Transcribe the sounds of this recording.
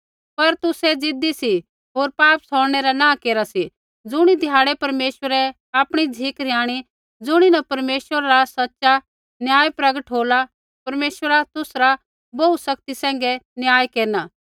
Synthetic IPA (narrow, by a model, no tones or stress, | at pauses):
pɐɾt̪ʊsɛd͡zɪd̪isi | ɦoːɾpaːpsɔːɽɽ̃ɛɾanãːkeːɾasi | d͡zʊɽ̃id̪ʱjaːɽɛpɐɾmeːswəɾɛ | aːpɽ̃id͡zʱiːkɾɪjaːɽ̃i | d͡zʊɽ̃inɐpɐɾmeːswəɾaɾasɐtːʃa | njaːjpɾɐɡəʈɦoːla | pɐɾmeːsʋəɾat̪ʊsɾa | bɐusɐk̚t̪isɛ̃ːŋ̆ɡɛnjaːjkeːɾnaː